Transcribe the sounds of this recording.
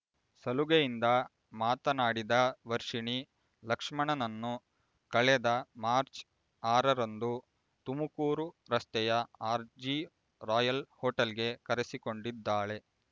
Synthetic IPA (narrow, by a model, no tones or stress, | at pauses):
sɐluɡejind̪ɐ | maːt̪ɐnaːɽid̪ɐʋɐɾʂiɳi | lɐkʂmɐɳɐnɐnːu | kɐɭɛd̪ɐmaːɾt͡ʃ | aːɾɐɾɐnd̪u | t̪umukuːɾuɾɐst̪ɛjɐaːɾd͡ʒi | ɾaːjɐlhoːʈɐlɡe̞kɐɾesiko̞ɳɖid̪ːaːɭe̞